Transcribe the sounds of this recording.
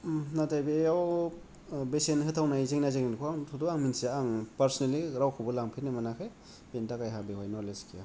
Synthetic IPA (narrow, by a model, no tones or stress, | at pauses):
natajbeaw | besenhɯtʰawnajzeŋnazeŋninkʰoaŋtʰuduaŋminseaŋpaɾsneliɾawkʰɯbɔlaŋpʰiɾnemanakʰɯj | bentakajɦabehojnɔleskʰija